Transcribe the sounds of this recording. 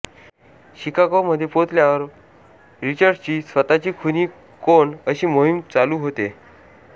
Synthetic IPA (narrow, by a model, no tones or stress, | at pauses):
ɕikakoməd̪ʱːjepot̪ljaʋəɾ | ɾit͡ɕəɾɖt͡ɕiːsət̪at͡ɕiːkʰuniː | koɳəɕiːmoɦimt͡saluːɦot̪e